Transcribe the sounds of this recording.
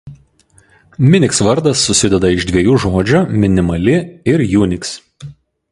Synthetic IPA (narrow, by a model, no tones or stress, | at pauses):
mʲɪnʲɪksʋɐɾd̪ɐsːʊsʲɪd̪ʲɛd̪ɐɪʒd̪ʲʋʲiɛjuːʒoːd͡ʒʲomʲɪnʲɪmɐlʲɪɪɾjuːnʲɪks